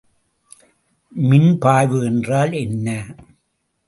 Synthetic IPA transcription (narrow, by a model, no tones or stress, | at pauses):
mɪnpaːjʋɯɛndraːlɛnːɐ